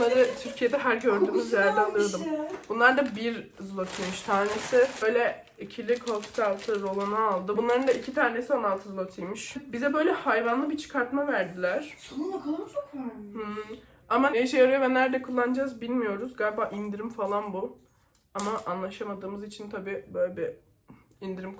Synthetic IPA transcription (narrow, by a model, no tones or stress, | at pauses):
aɾɯt̪ʰyɾcʰijed̪ɛɦæɾɟø̞ɾd̪yːmyzɛɾæɾd̪ʲɛalˠɯɾd̪ɯmbunlˠaɾd̪abiɾzulˠat̪ʰɯjmɯʃt̪ʰaːnesɪbø̞jlʲɛ | icʰilʲikʰolˠfi̥t̪alˠt̪ʰɯɾo̞lˠanaːlˠd̪ɯbunlˠaɾɯnd̪aicʰit̪ʰaːɾne̞sianalˠt̪ʰɯzulˠat̪ʰɯjmɯʃbizɛbø̞jlʲɛhajvanlˠɯbit͡ʃʰɯ̥kʰaɾt̪mavæɾd̪ilʲæɾ̥ | hɯ | amaeʃ̬ejaɾɯjɯvɛnæɾd̪ɛkʰulˠːand͡ʒazbilʲmijo̞ɾuzɡaɾbaːʔind̪iɾimfalˠanbu | amaʔanlˠaʃamad̪ɯːmɯzit͡ʃʰint̪ʰabiːbøjlʲɛbi | ind̪iɾim